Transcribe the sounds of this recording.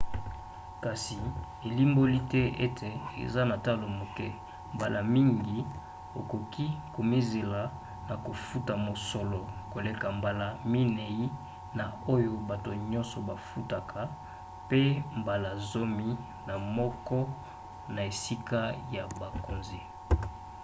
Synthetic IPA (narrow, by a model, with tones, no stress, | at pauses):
ka˨si˨ | e˨li˦mbo˦li˦tɛ˦e˦tʰe˨ḛ˨za˦na˨ta˦lo˨mo˨kɛ˦ | mba˨la˨mi˦ŋɡi˨ | o˨ko˨kʰi˦ko˨mi˦ze˨la˨ | na˨ko˨fu˦ta˨mo˨sɔ˨lɔ˨ko˨le˦ka˨mba˨la˨mi˦ne˨i˦ | na˨o˦jo˦ba˨to˨ɲɔ̃˦nsɔ˨ba˨fu˦ta˨kʰa˨ | pe˦mba˨la˨zo˦mi˦ | na˨mɔ˦kɔ˦ | na˨e˨si˦ka˦ja˨ba˨ko˨nze˦